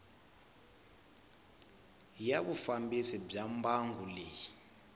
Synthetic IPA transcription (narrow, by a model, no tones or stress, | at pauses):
jaβufambisib͡ʐambaŋɡuleːji